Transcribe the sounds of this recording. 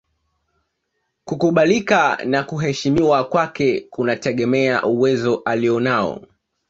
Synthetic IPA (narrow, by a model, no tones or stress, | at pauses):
kukuɓalikanakuɦɛʃimiwakwakɛkunatɛɠɛmɛa̰ʔuwɛzɔʔaliɔnaɔ̰